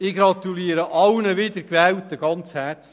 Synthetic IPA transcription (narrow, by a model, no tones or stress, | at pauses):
ɪɡɾɑt̪uliːəɾəʔɑlnəʋɪd̪əɾkʋɛːltəɡ̥ɑnt͡shæt͡s